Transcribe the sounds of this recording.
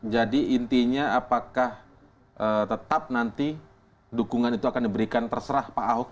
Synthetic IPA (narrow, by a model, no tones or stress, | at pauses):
d͡ʒadiʔːnt̪iɲaapakah | ʔət̪ət̪ap̚nant̪i | dukuŋanit̪uakandibəɾikant̪ərsəɾahpaʔaɦok̚